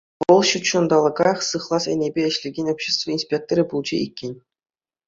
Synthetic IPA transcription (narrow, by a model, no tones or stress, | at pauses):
ʋɤ̆lˠɕut̪t͡ɕŏnd̪ɑlˠɤ̆ɡɑjχsɯχlˠɑsḛnʲebʲeɘ̆ɕlʲeɡʲenʲopʲɕːest̪vɤ̆insʲpʲek̚t̪oɾʲibulˠd͡ʑḛikʲːenʲ